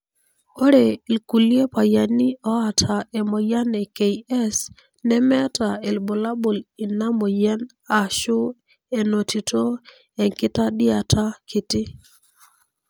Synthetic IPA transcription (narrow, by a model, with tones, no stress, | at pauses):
o˦ɾe˨i˨lku˨lje˦pa˨ja˨ni˦ɔ˦a˨tʰa˨ɛ˨mɔ˨ja˦nɛ˨ke˨i˨ɛ˦s | nɛ˦mɛ˦ta˨e˨lbo˨la˦bo˨li˨na˦mɔ˨jɛ˦n | a˨ʃʊ˦ | e˨no˨ti˨tʰo˦ | ɛ˨ŋkɪ˦ta˦dɪ˦a˨tʰa˦kʰɪ˨tɪ˦